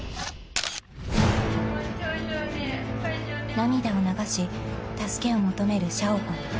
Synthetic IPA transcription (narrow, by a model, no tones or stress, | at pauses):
namʲid̪aonaɡaɕit̪asɨ̥ke̞o̞mo̞t̪o̞me̞ɾɯ̟ɕaokõŋ